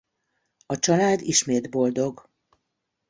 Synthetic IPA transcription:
ɒt͡ʃɒlaːd̪iʃmeːd̪bo̞ld̪o̞ɡ

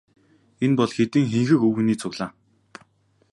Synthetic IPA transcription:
enpɔɮxet̪ɘ̆ŋxeŋxɘ̆kɵw̆niːt͡sʰʊɣɮaː

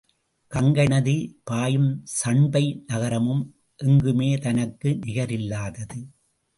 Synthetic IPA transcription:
kɐŋɡɐɳɐðipaːjɯmsɐɳbɐɪnɐɣɐɾɐmɯm | ʔɛŋɡɯmeːt̪ɐnɐkːɯnɪɣɐɾɪlːaːðɐðɯ

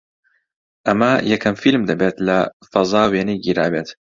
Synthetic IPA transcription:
ʔɐmɐjɛkʰɐmfilmd̪ɐbet̪lɐfɐzˤɑːweːnijɡiɾaːbeːt̪

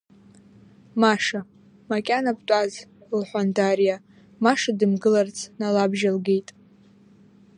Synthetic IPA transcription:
maʂa | makʲʼanapʼtʷʼazlħʷandarija | maʂadɨmɡɨlart͡sʰnalabʒalɡe̞jtʼ

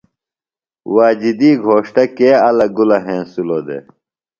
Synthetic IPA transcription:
waːd͡ʑid̪iːɡʱoːʂʈɐkeːɐlɐɡulɐɦẽːsuloːd̪ḛː

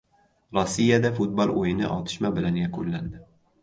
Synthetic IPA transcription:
ɾɒsːijad̪afʊt̪̚bɒlˠojɪnɪ̰ʔɒ̰t̪ʰɪ̥ʃmabɪlanjakʰʊlːand̪ɪ

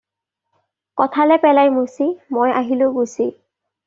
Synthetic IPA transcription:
kɔtʰalɛpɛlajmusimojaɦilʊɡusi

